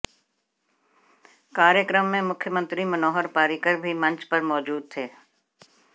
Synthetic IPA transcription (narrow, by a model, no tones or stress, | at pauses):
kaːɾjəkɾəmːẽmʊkʰjəmə̃nt̪ɾimɐnɔːɦəɾpaːɾiːkəɾbʱimɐ̃ɲt͡ʃpɐɾmɔːd͡ʒuːd̪̚t̪ʰeː